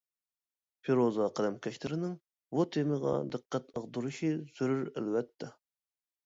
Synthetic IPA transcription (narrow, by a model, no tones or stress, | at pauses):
pʰeɾozɑqəlɛmkʲʰɛʃlʰɪɾɪnɪŋ | but̪ʰemɨʁɑ̰d̪ɨqʰːæt̪əʁd̪uɾɨʃiz̥yɾyɾæ̰lwɛt̪ʰːɛ